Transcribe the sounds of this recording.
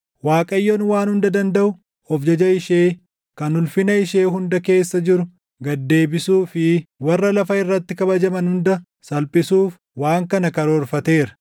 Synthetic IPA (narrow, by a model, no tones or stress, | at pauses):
waːkʼɐjːonwaːnhʊnd̪ɐd̪ɐnd̪ɐʔʊ | ɔfd͡ʒɐd͡ʒɐɪʃeː | kɐnʊlfɪnɐɪʃeːɦʊnd̪ɐke̞ːsːɐd͡ʒɪɾʊ | ɡɐd̪ːe̞ːbɪsuːfɪwɐrːɐlɐfɐɪrːɐt̪ːɪkɐbɐd͡ʒɐmɐnhʊnd̪ɐ | sɐlpʼɪsuːf | waːŋkɐnɐkɐɾoɾfɐt̪e̞ːɾɐ̥